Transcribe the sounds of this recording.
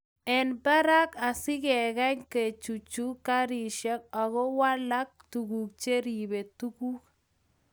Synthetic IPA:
ɛnba˦ɾa˦ka˨sɪ˦kɛ˨ɣa˦ɲke˨t͡ʃu˨t͡ʃu˦ka˦ɾi˨ʃja˦k̚a˨ɣɔ˦wa˦la˦k̚tu˨ɣu˨k̚t͡ʃe˦ɾi˨be˨tu˦ku˦k

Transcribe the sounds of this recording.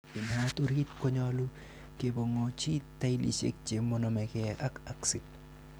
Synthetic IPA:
ɪ˨na˦t̪u˦ɾi˦t̪ko˦ɲɔ˦lu˦ | ke˨bo˨ŋo˨t͡ʃi˦t̪ːa˦i˦lḭ˨t͡ʃḛ˦k̚t͡ʃe˨mo˦nɔ˨mɛ˨ke˦ʔa˦ka˦ksɪ˨t

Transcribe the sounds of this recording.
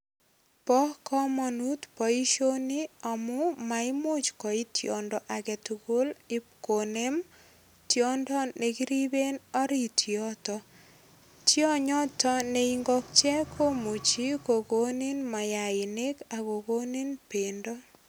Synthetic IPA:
pɔ˦hkɔ˦mɔ˨nu˦tpɔ˨i˦ʃo˦ni˦ɔ˨mʊ˦ma˨ɪ˦mo˦t͡ʃkɔ˨i˦tʰjɔ˨ndɔ˨ʔa˨ɡɛ˨tuɡo˦lɪ˦kone˦m | tjɔ˦ndɔ˦ne˨ɡi˦ɾi˦be˦nɔ˦ɾitʰjɔ˦tɔ | tjɔ˦ɲɔ˦tɔ˦ne˨iŋɡɔ˦k̚t͡ʃɛ˦kʰo˦mu˨t͡ʃi˦ko˨ɡo˦ni˦nma˨ja˨ɪ˨ne˦ka˨ko˨ɡo˦ni˦npendɔ˦

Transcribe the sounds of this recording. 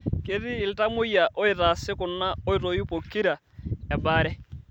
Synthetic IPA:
ke˦ðiː˦˨lɪ˦ta˦mʊ˦ja˨ʔo˦e˨ta˨sɪ˦kʊ˨na˦o˦i˦to˨ju˦po˨ki˦ɾa˨ | ɛ˨ba˦ɾɛ˦

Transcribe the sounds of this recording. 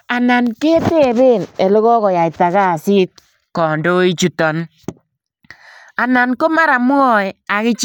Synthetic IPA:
a˨na˨nke˦te˦˨be˦˨ne˨lɪ˦ɣɔ˦kɔ˨ja˨ɪ˨ta˨ɣa˦˨sɪ˦t̚ | kɔ˨ndo˦i˦t͡ʃu˨tɔ˨n | a˨na˨nko˦ma˦ɾa˨m˦ɔ˦ja˨kɪ˦t͡ʃ

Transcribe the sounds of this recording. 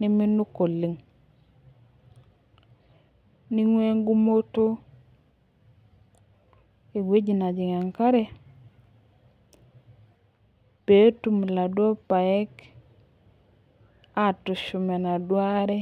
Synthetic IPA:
ni˦mi˦nu˦ko˨li˨ŋ | ni˦ŋwe˦ŋɡu˦mo˦to˦ | i˨ɡwe˦d͡ʒi˨na˨d͡ʒi˨ŋa˨ŋka˦ɾɛ˦ | pe˨˦tu˨m˨la˨dwo˦pa˨ɛ˦k | a˦˨tʊ˨ʃu˨mɛ˨na˨dwa˦ɾɛ˦

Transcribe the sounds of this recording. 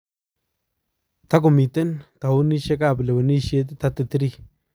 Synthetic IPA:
t̪a˦k̬o˨mi˨t̪e˦nt̪a˨wu˦ni˦ʃe˦ka˦˨ble˨we˨ni˦ʃje˦t̪̬t̪a˦t̪ɪ˨t̪ɪ˦ɾi˦

